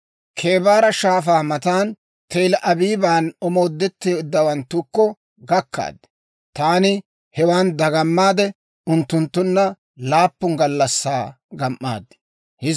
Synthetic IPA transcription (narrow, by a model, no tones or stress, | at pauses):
kʰe̞ːbaːɾɐʃaːfaːmɐt̪aːn | t̪ejlɐʔɐbiːbaːnɔmo̞ːd̪ːɛt̪ːɪjɪd̪ːɐwɐnt̪ːʊkːɔ | ɡɐkːa̰ːd̪ɛ̥ | t̪aːnɪ | hɛwaːnd̪ɐɡɐmːaːd̪ɛ | ʊnt̪ːʊnt̪ːʊnːɐ | laːpːʊŋɡɐlːɐsːaː | ɡɐmʔːa̰ːd̪ːɛ̥ | hɪ